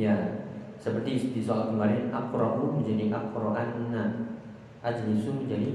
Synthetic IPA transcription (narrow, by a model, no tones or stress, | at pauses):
jasəpərt̪isd̪isɔalkəmaɾɪnap̚kuɾɔʔluməɲd͡ʒaniap̚kuɾɔʔanəna | ʔad͡ʒənisuməɲd͡ʒadi